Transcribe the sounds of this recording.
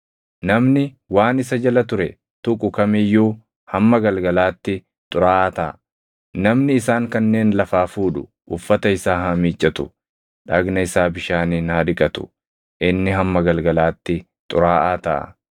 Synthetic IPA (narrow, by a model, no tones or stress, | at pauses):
nɐmnɪ | waːnɪs̬ɐd͡ʒɐlɐt̪ʊɾɛ | t̪ʊkʼʊkɐmɪjːuː | hɐmːɐɡɐlɡɐlaːt̪ːɪ | t̪ʼʊɾaːʔaːt̪ɐʔɐ | nɐmnɪːsaːŋkɐnːe̞ːnlɐfaːfuːᶑʊ | ʔʊfːɐt̪ɐɪsaːɦɐmiːt͡ʃʼːɐt̪ʊ̥ | ᶑɐɡnɐɪsaːbɪʃaːninaːd̪ɪkʼɐt̪ʊ̥̰ | ʔɪnːɪɦɐmːɐɡɐlɡɐlaːt̪ːɪ | t̪ʼʊɾaːʔaːt̪ɐʔɐ̰